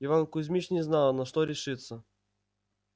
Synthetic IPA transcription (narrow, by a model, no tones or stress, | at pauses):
ɪvankʊzʲmʲit͡ɕnʲɪznalˠnɐʂt̪oɾʲɪʂɨt̪sːə